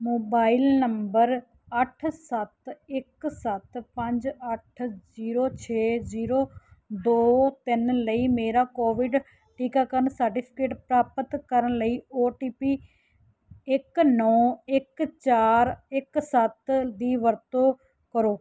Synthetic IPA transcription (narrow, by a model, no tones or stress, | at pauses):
moːbaːɪlnəmbəɾ | əʈʰsət̪ɪksət̪pə̃ɲd͡ʒəʈʰziːɾoːt͡ʃʰeːziːɾoːd̪oːt̪ɪnləiːmeːɾaːkoːʋɪɖ | ʈiːkaːkəɾənsəɾʈɪpʰɪ̥keːʈpɾaːpət̪kəɾənləiːoːʈiːpiː | ɪknɔːɪkt͡ʃaːɾɪksət̪d̪iːʋəɾt̪oː | kəɾoː